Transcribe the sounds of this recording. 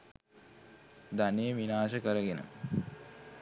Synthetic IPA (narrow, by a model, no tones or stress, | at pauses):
d̪anejəʋinaːʃəkəɾəɡenə̰